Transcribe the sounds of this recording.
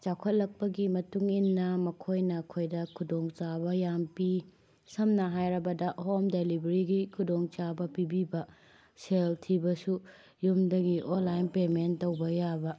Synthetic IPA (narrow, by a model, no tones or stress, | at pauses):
t͡ʃawkʰɐt̚lɐk̚pɐɡimɐtuŋinːɐmɐkʰojnɐkʰojdɐkʰudoŋt͡ʃabɐjampi | sɐmnɐɦajɾɐbɐdɐʔɐɦomdelibɐɾiɡikʰudoŋt͡ʃabɐpibibɐ | seltʰibɐsu | jumdɐɡiʔonlajnpementowbɐjabɐ